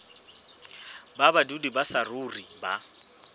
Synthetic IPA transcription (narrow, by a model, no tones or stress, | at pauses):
babadudibasarʊriba